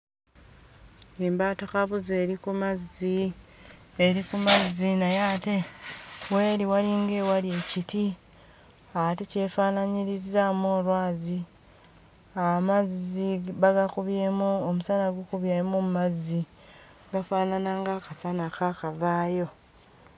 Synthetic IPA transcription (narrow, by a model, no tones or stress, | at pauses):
eːmbaːtokaβuzeːɾikumazi | eɾikumazinajaːte | we̞ːɾiwaliŋɡe̞walie̞citi | atece̞faːnaɲiɾizamoːlwaːzi | amaziβaɡakuβjeːmuomusanaɡwokuβjemumumazːi | ɡafaːnanaŋɡakasanakakavaːjo̞